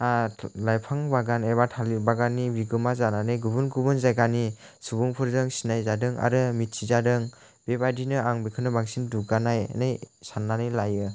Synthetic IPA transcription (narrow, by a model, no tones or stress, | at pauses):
alajpʰaŋbaɡanebatʰalibaɡanːibiɡɯmazananɯjɡubunɡubɯnzajɡani | subuŋpʰɯɾdɯŋsinajzadɯŋa̰ɾɯmit̚sʰizadɯŋ | b̥ebadinɯaŋbikʰɯnɯbaŋsinduɡanaj̰najsanːanɯjlajɯ